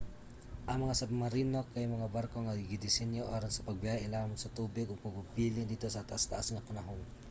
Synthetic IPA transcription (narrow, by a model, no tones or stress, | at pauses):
ʔɐŋmɐŋasabmaɾinokːajmɐŋabaɾkoŋaɡiɡid̪isɛnjoʔoɾasɐ̥pɐɡ̚bijajaʔilamʊnsɐt̪ubɪɡʊɡpaɡbibilɪŋd̪it̪osat̪aʔast̪aʔasŋapanaɦʊŋ